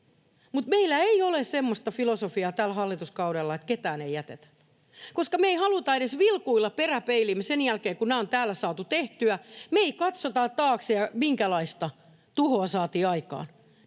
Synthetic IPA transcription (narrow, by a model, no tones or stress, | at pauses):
mut̪meilːˑæeiolessemːost̪ɑfilosofiɑːt̪ælhɑlːit̪uskɑuɾelːɑet̪ket̪æːneijæt̪ḛt̪æ̥ | koskɑmeihɑlut̪ɑeɾesʋilkuilːɑperæpeilimːesenjælkeːkunæːont̪æːlːæsɑːt̪ut̪eht̪yæmeikɑt̪sot̪ɑt̪ɑːksjɑmiŋkælɑist̪ɑ | t̪uhoɑsɑːt̪iːɑikɑ̰ːn